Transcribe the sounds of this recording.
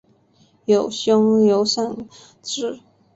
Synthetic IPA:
jo˨˩ʊɕjʊ˥ŋjo˧˥ʊʂa˥˩ŋ | ʈ͡ʂɻ̩˥˩

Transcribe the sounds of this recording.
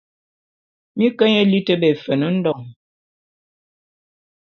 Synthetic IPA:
mi˦kə˦ɲe˦li˦tə˦bɛ˨fə˨nə˦n̩˦dɔ˨ŋ

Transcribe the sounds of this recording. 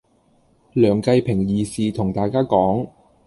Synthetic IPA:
lœː˨˩ŋkɐ˧jpʰɪ˨˩ŋjiː˨˩siː˨t̪ʰʊ˨˩ŋt̪aː˨˧jkaː˥kɔː˨˥ŋ

